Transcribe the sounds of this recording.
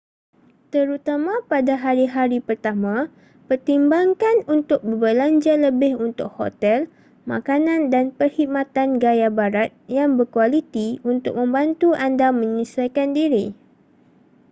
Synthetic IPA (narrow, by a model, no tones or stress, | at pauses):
t̪əɾut̪amãpadaɦaɾiɦaɾipərt̪amã | pərt̪imbaŋkanunt̪ʊk̚bəbəlaɲd͡ʒaləbɪhunt̪ʊk̚ho̰t̪ɛl | ma̰kanandanpərhit̪̚mãt̪anɡajabaɾat̪̚jaŋbərkualit̪iunt̪ʊ̰k̚mə̃mbant̪uʔandamə̃ɲisajkandiɾi